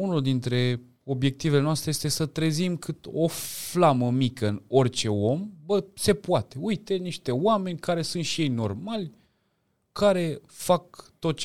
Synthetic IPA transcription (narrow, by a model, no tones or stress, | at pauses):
unuld̪int̪ɾe̞ | o̞bje̞k̚t̪ive̞lenoast̪ɾejest̪esət̪ɾezimkʰɨt̪o̞flaməmikəɨno̞rt͡ʃe̞o̞mbəse̞puat̪e̞ujt̪e̞niʃt̪e̞wame̞nʲkaɾe̞sunt̪ʃije̞jno̞̰rmalʲ | kaɾe̞fakt̪o̞t̪̚t͡ʃ